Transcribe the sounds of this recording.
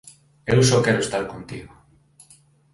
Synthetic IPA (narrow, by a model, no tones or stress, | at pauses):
ewsɔkɛɾʊest̪aɾkont̪ḭɣo